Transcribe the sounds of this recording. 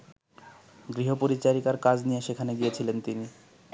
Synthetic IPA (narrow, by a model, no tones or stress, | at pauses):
ɡɾiɦopoɾit͡ɕaɾikaɾkad͡ʑnijeʃekʰaneɡijet͡ɕʰilent̪ini